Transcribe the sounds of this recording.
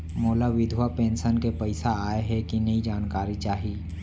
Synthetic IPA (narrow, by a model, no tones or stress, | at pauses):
moːlaʋɪd̪ʱwapẽːnsənkepɐɪsaaːeɦɛkinɐid͡ʒaːnkaːɾit͡ʃaːɦiː